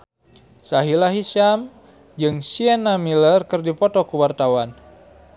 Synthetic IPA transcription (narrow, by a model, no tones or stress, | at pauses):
saɦilaɦisam | d͡ʒɨŋsiɛnamilərkɨrdipɔt̪ɔkuwart̪awan